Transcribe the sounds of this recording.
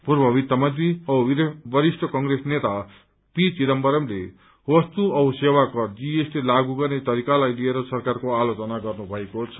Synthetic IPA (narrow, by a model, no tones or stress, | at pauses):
purbʱʌβit̪ːamʌd̪iʌbʌɾisʈʰʌkʌŋɡresnet̪a | pit͡siɾʌmbʌɾʌmlḛ | wʌst̪uʌwsewakʌd͡zieslelaɡuɡʌrnet̪ʌɾikalajlieɾʌsʌrkarkoalot͡sʌnaɡʌrnubʱʌekot͡sʰʌ̥